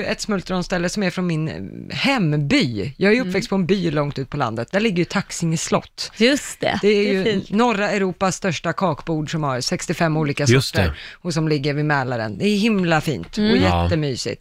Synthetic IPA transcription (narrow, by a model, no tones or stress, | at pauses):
ɵɛt̪smɵlt̪ɾɔnst̪ɛlːəsɔmæɾfɾɔnmɪnhɛmːbyːjɑːɡhaɾjɵɵpːvɛkst̪̚pʰɔɛnbyːlɔŋt̪ʉ̟ːt̪̚pʰɔla̰nd̪ət̪̚d̪æɭɪɡːəjɵt̪ʰaksɪŋəslɔ̰t̪ːjɵst̪ɛ̰d̪ɛæɾjɵnɔɾːaɛɾuːpasːt̪œʂʈakʰɑːkbuːɖʂɔmhaɾsɛkst̪ɪfɛmːuːliːkasst̪ːɾɔsɔmlɪɡːəɾvɪmɛːlaɾə̰nd̪ɛːjɵhɪmlafḭːnt̪ɔjɛt̪ːəmyːsɪ̰t̪